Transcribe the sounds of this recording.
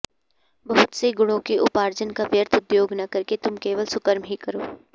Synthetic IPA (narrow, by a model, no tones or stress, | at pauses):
bɐɦʊt̪seɡʊɽ̃õkeʔʊpaːɾd͡ʒənkaʋjəɾt̪ʰʊd̪joːɡnɐkɐɾket̪ʊmkeːʋəlsʊkəɾmɦikɐɾoː